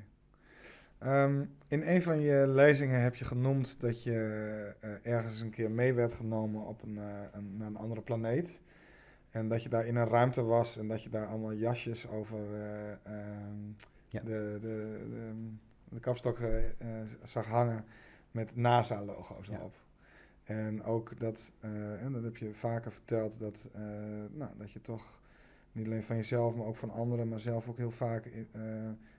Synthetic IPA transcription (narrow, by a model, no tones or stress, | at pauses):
ʔəmɪneːnfɔnjəleːzɪŋənɦɛpjəχənumtdɔtjə | ʔɛɹɣənsənkʰɪərmeːʋɛɹtχənowmənɔ̰pː | aənɑ̰ndərəplaneːt | ɛndɔtjədaːɹɪnənrœɥmtəʋɑsɛndɔtjədaːɹɔlˠmalˠjɑʃjəsowvər | dəə | dəkɔpstɔkə | sɑxɦaŋə | mɛtnaːsaːlowxo̰wsdəo̰p | ɛnoːkdɔtɛdɔthɛpjəfaːkəfərtɛlˠtdɔtənodɔtjətʰɔx | nitaleːnfɔnjəzɛlˠfmaɾowkfɔnɔndəɾəmaɹsɛlˠfokhiːlˠfaːkə